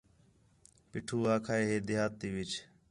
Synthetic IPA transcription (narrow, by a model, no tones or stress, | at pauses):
pɪʈʰuːaːkʰaːeːɦeːd̪ɪjaːt̪ːiːʋɪt͡ʃ